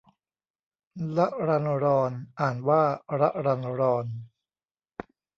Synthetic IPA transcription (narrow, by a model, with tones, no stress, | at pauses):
la˦˥ʔɾa˧nɾɔː˧nʔaː˨˩nwaː˥˩ɾa˦˥ʔɾa˧nɾɔː˧n